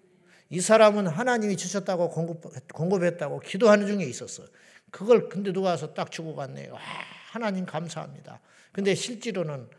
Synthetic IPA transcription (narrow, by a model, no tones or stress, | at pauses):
isʰaɾamɯnɦanaɲimit͡ɕɯɕʰʌt̚t͈aɡoopkoŋɡɯpʰe̞t̚t͈aɡokidoɦanɯnd͡ʑuŋe̞is͈ʌs͈ʌ̰ | kɯɡʌɭkɯnde̞nuɡasʰʌt͈ak̚t͡ɕuɡoɡanːḛjo̰ahanaɲimkamsʰaɦa̰mɲida̰ | kɯndeɕʰiɭt͡ɕ͈iɾonɯn